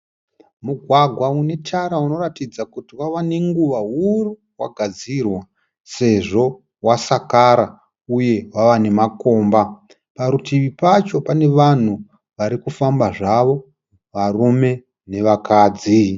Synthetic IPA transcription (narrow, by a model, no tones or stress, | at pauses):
muɡʱwaɡʱwaune̞tʰaɾauno̞ratid͡zakutiwaʋaneŋɡuʋaɦuru | waɡʱad͡zirwa | se̞ʐo̞ | wasakaɾa | uje̞waʋane̞mako̞ːmba | paɾutiʋipat͡ʃo̞pane̞ʋan̤u | ʋaɾikufambaʐaʋo̞ | ʋarume̞ | ne̞ʋakaːd͡zi